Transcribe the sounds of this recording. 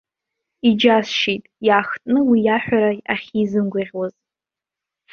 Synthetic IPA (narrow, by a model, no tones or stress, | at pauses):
id͡ʒasʃijtʼjaːxtʼnɨwijaħʷᶣaɾaaχʲizɨnɡʷaʁʲwaz